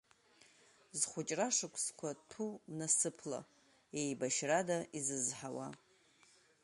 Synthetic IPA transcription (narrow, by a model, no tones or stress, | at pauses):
zχʷʊt͡ʃʼraʂɨkʷʼʰskʷʰatʰumnasɨpʰla̰ | ejbaʃradaizɨzħawa̰